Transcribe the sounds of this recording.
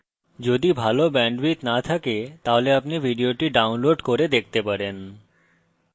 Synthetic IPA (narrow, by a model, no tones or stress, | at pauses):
d͡ʑod̪ibʱalobɛɳɖbit̪nat̪ʰaket̪aɦoleapnibʱiɖioʈiɖawnloɖkoɾed̪ek̚ʰt̪epaɾen